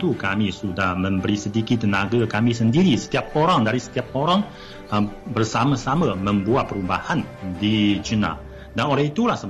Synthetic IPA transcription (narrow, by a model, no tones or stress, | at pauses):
t̪ukamisudahməmbəɾisədikit̪ːənaɡakamis̬əndiɾisə̥t̪iap̚ːoɾaŋdaɾisə̥t̪iap̚ːoɾaŋ | əbərsamasamaməmbuat̪̚pːəɾuba̰handid͡ʒəna̰ | danolɛhit̪ulahsə